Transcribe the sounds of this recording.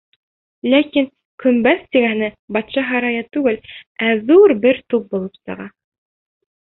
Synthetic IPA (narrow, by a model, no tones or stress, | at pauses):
lækiŋ | kɵ̆mbæθt̪iɡænɘbɑt̪ʃɑɦɑɾɑjɑt̪ʉɡɘlʔæðuɾbɘɾt̪up̚bulˠɤpsɤ̰̆ʁɑ